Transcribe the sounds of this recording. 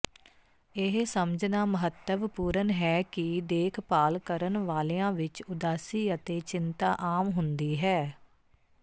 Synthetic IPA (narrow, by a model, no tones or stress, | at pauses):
ɪɦsəmd͡ʒnaːməɦət̪ːəʋpuːɾənɦɛːkɪd̪eːkʰpaːlkəɾənʋaːleːãːʋɪt͡ʃʊd̪aːsiːət̪eːt͡ʃɪnt̪aːʔaːmɦʊnd̪iːɦɛː